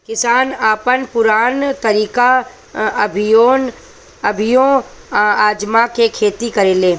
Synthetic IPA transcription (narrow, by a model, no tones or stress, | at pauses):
kɪsaːnaːpənpʊɾaːnt̪ɐɾiːka | ɐbʱjoːn | ɐbʱɪjõ | aːd͡ʒmakekʰeːt̪ikɐɾeːleː